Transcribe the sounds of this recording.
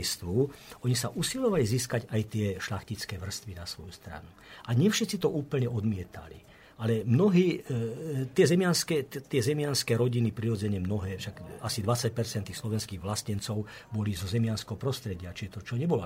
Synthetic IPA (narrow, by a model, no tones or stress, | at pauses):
st̪ʋuːɔɲisaʔusiʎɔʋaliziːskaɟajt̪ɪɛʃlaxcit͡skɛːʋr̩st̪ʋinasʋɔjust̪ɾa̰nu | ʔaɲɪɛfʃɛt̪t͡sit̪ɔʔuːpl̩ɲɛʔɔd̪mɪɛt̪ʰa̰lḭ | alɛmnɔɦiː | t̪ɪɛzɛmɪjanskɛːt̪ɪɛzɛmɪanskɛːɾɔɟinipɾiɾɔd͡zɛɲɛmnɔɦɛːfʃaɡasid̪ʋat͡sːac̚pɛɾt͡sɛnt̪ːiːxslɔʋɛnskiːɣʋlascɛnt͡sɔʊbɔlizɔzɛmɪanskɛɦɔpɾɔst̪ɾɛɟɪat͡ʃiʒɛt̪ɔt͡ʃɔɲɛbɔlɔ